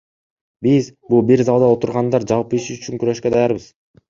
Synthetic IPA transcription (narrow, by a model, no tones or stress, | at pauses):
bizbulˠbiɾzɑlˠd̪ɑot̪uɾʁɑnd̪ɑɾd͡ʒɑlˠpiʃyyt͡ʃyŋkyɾø̞ʃkø̞d̪ɑjɑɾbɯz̥